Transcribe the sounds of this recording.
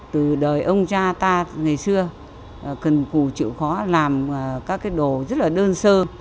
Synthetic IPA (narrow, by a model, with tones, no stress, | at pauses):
t̪ɨ˨˩ɗəː˨˩jʔə˧wŋ͡mt͡ɕaː˧t̪aː˧ŋa˨˩jsɨ˧ə˨˩ | kə˨˩nku˧˩t͡ɕɨ̰˧˨xɔ˨˦laː˨˩m˨˩kaː˦˥kːaː˨˦jɗo˨˩zə˦˥t̚laː˨˩ɗəː˧nsəː˧